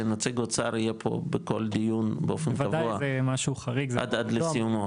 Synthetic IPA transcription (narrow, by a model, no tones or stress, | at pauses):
enat͡siɡot͡saɾijepʰo̞̰beko̞ld̪ijunbeofenvaavdauaazemaʃuχaʁikzeʔa̰d̪ad̪lesijumo